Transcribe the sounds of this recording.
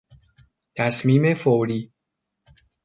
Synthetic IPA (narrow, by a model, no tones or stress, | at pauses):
t̪ʰæsmiːmefowɾiː